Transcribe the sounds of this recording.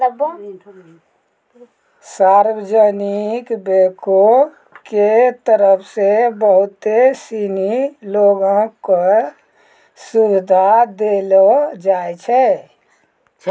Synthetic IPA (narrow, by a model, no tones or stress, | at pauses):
saːɾwəd͡ʒənikbeko | ket̪əɾəpʰsebəɦʊt̪esiniloɡõko | subɪd̪ʱad̪elod͡ʒaːjt͡ʃʰɛ